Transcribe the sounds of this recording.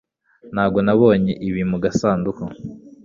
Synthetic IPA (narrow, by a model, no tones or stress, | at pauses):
n̥haːbɡo̞naβo̞ːɲeʔiβimuɡasaːnduko